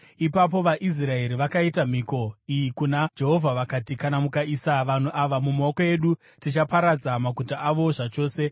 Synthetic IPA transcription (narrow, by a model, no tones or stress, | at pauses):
ipap̬o̞ʋaʔis̬rae̞ɾiʋakaitam̤iko̞ijikunad͡ʒe̞ɦo̞vʱaʋakatikanamukaisaʋan̤uʔaʋamumaokoe̞ɗu | tit͡ʃapaɾad͡zamakutaʔːʋo̞ʐat͡ʃo̞ːse̞